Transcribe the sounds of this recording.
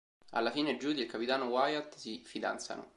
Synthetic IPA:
a̰lːafiːned͡ʒud̪ilkapit̪aːnowajat̪sifid̪a̰nt̪sa̰no̰

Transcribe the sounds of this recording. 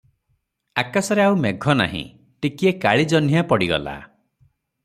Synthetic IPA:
akasɔɾeauwmeɡʱɔna̰ɦḭ̃ | ʈikiekaɭid͡ʒɔn̤ijapɔɽiɡɔ̰la̰

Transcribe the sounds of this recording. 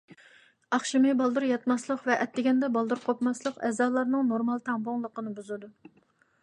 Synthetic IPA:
ɑχʃimɨbɑlˠd̪uɾjɑt̪mɑslˠəqvɛʔɛt̪ːɪɡʲɛnd̪ɛbɑlˠd̪uɾqʰopmɑslˠəqɛ̰zɑːlˠɑɾnɨŋnoɾmɑlˠt̪ʰɑmboŋlˠəqənɨbuzɨd̪u

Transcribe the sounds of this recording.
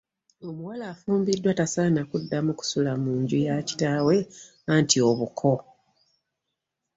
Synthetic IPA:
o̞muwalaːfuːmbidːwatasanakudːamuku̥sulamuːɲɟujaci̥taːwe̞ | antio̞βukʰo̞

